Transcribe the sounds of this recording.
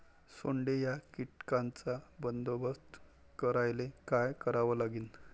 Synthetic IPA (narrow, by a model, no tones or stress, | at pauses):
soɳɖejakiʈkãnt͡sabənd̪obəst̪ | kəɾajlekajkəɾaʋəlaɡiːn